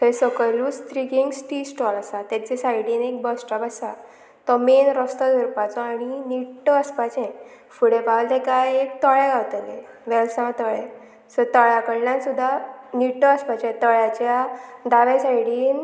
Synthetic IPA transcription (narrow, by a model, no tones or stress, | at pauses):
ɦesəkəɾluːst̪ɾikiŋɡsʈisʈɔlasat̪at͡sesajɽiːnek̚bəsʈəpasa | t̪əmenɾəst̪ɔd̪ʱəɾpat͡sɔaɽ̃iniʈːəəspat͡ɕɛ̃ | fuɽepalt̪ekajek̚t̪əɭɛɡʱawt̪əlẽ | ʋɛlsãwt̪əɭɛ | sət̪əɭjakəɽljãnsud̪ʱːaniʈːəəspat͡ɕẽt̪əɭjat͡ɕjad̪aʋesajɽiːn